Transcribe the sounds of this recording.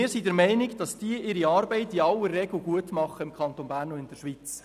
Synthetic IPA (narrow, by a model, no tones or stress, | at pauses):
ɪːɾsidɛɾmɛɪnɪɡd̥ɑsd̥iəʔɪɾiɑːɾbɛɪtiɑwərːɛɡl̩ɡuətmɑχəɪmkʰχɑnt̪onbæːɾnoɪnd̥əɾʃʋit͡s